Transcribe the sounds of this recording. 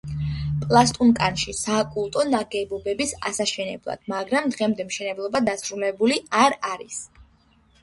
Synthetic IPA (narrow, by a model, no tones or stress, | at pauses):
pʼlˠast̪ʼunkʼanʃisaːkʼulˠt̪ʼɔnaɡɛbɔbɛbisa̰saʃɛnɛ̰blˠa̰d̪̥maɡɾamd̪ʁɛmd̪ɛmʃɛnɛblˠɔbad̪asɾulɛbuliaɾaɾis